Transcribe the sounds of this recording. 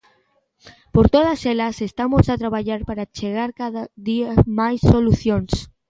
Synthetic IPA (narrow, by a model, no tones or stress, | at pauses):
poɾt̪oð̞ɐselɐsest̪amosat̪ɾaβaʎaɾpaɾat͡ʃeɣ̞aɾkaðaðiamajsːoluθjons